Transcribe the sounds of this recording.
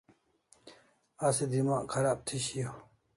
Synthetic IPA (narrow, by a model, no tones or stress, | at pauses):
ased̪imaːʔkʰɐɾaːb̚t̪ʰiɕijo